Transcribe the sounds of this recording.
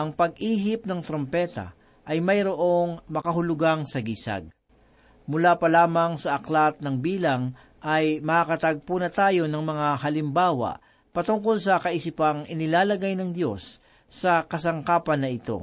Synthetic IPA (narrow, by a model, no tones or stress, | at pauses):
ʔɐŋpɐɡ̚ʔiːɦɪp̚nɐŋt̪ɾompɛt̪a̰ | ʔɐjmɐjɾo̞ʔo̞ŋmɐkɐɦʊlʊɡaŋsɐɡisa̰ɡ̚ | mʊlaːpɐlaːmɐŋsɐʔɐklat̪̚nɐŋbiːlɐŋ | ʔɐjmɐkakɐt̪ɐɡ̚punɐt̪aːjo̞nɐŋmɐŋaɦɐlɪmbaːwa̰ʔ | pɐt̪ʊŋko̞lsɐkɐʔisɪpɐŋʔɪnɪlaːlɐɡajnɐŋd̪jo̞sː | ɐkɐsɐŋkaːpɐnːɐʔɪt̪o̞̰